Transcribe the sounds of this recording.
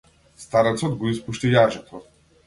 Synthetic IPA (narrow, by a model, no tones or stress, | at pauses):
st̪aɾɛt̪sɔd̪ɡɔispuʃt̪ijaʒat̪ʰɔ